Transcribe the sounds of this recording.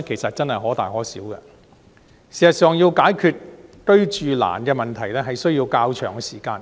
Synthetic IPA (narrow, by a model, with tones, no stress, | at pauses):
kʰe˨˩jsɐ˨t̚t͡sɐ˥nhɐ˨jɦɔː˨˥t̪aː˨jɦɔː˨˥siː˨˥wkɛ̰˧ | siː˨˩ɐ˨˩t̚sœː˨ŋjiː˧wkaː˨˥jkʰyː˧t̚t̪ɵ˥ɥt͡ʃyː˨la̰ː˨˩nkɛː˧mɐ˨nt̪ʰɐ˨˩jlɛː˥ɦɐ˨jsɵ˥ɥji˧wkaː˧wt͡ʃʰœː˨˩ŋɛː˧siː˨˩kaː˧n